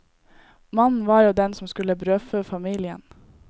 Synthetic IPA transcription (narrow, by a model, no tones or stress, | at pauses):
mɑnn̩ʋɑːɾjuːd̪ɛnsɔmskʉləbɾøːføːfɑmiːlɪə̰n